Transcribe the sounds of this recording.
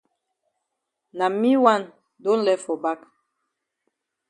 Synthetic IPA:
na˨mi˦wa˦˨n | do˦n˦lɛ˦fɔ˨ba˦k

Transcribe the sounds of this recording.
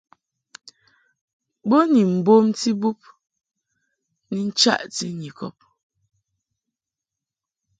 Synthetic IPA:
bɔ˦ni˨m̩˨bo˦mti˦bu˦p̚ | ni˨n̩˦t͡ʃa̰˦˨ʔti˦ɲi˨kɔ̰˨p̚

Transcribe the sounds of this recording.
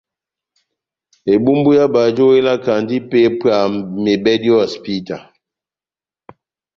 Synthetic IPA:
e˨bu˦mbu˦ja˦ba˨d͡ʒo˦we˦la˦ka˨ndi˦pe˦pa˨me˨bɛ˦di˦ɔ˦a˨spi˦ta˨

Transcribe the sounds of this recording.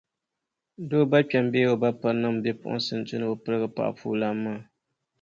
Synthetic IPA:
doː˦ba˦k͡pɛ˨m˦beː˦o˨ba˦pɨ˦nɨ˦m˨bɛ˦pʊ̰˦˨ʔʊ̰˦nsɨ˨n˨tʊ˦nɨ˦bo˨pɨ˦ɾɨ˦ɡɨ˦pa̰˨ʔpʰṵː˦la˦mːaː˦˨

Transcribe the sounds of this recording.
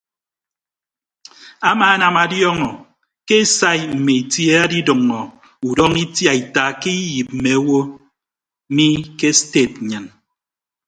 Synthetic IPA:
a˦maː˨a˦na˨ma˨djɔ˦ŋɔ˨ | ke˦sa˦jm̩˨me˨i˨tje˦a˦di˦dɨ˨ŋːɔ˨ | u˨dɔ˦ŋi˦tja˨i˨ta˨ke˦i˦ji˨p̚m̩˨me˨˦wo˦ | mi˦ke˦ste˦˨t̚ɲɨ˨n

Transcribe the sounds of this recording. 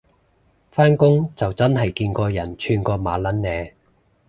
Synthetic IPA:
faː˥nkʊ˥ŋt͡sɐ˨wt͡sɐ˥nɦɐ˨jkiː˧nkɔː˧jɐ˨˩nt͡ʃʰyː˧nkɔː˧maː˨˥lɐ˨˥nːɛː˨˧

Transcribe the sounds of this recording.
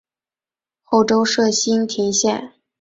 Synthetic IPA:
xo˥˩ʊʈ͡ʂo˥ʊʂɤ˥˩ɕi˥nt̪ʰi˧˥ŋɕjɛ˥˩n

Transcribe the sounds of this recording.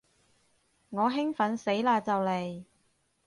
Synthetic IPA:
ŋɔː˨˧ɦɪ˥ŋfɐ˨˧˥nse˨˥jlaː˧t͡sɐ˨wle˨j

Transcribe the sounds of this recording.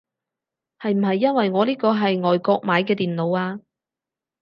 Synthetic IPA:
hɐ˨jm̩˨˩ɦɐ˨jːɐ˥nwɐ˨jŋɔː˨˧liː˥kɔː˧ɦɐ˨jŋɔː˨jkɔː˧k̚maː˨˧jkɛː˧t̪iː˨nlo˨˧waː˧

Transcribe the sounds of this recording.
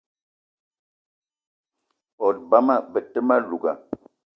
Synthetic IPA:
ɔ˨t̚ba˦ma˦˨bə˨tə˦ma˦lu˨ɡa̰˨

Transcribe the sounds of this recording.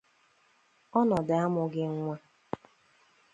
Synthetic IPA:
ɔ˦nɔ˨da˦mʊ˨ɡɪ˦ŋ̩˦ŋʷa˦

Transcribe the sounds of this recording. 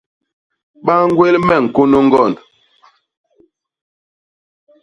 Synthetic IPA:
ɓa˦ŋ̩˦ɡwe˦lmɛ˦˨ŋ̩˨ko˦no˦ŋ̩˦ɡɔ˦˨nd

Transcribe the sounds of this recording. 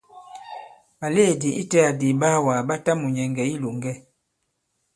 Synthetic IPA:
ba˨le˦˨di˨ʔi˦tɛ˦a˨di˨ba˦wa˨ba˦ta˦mu˨ɲɛ˨ŋɡɛ˨i˦lo˨ŋɡɛ˦

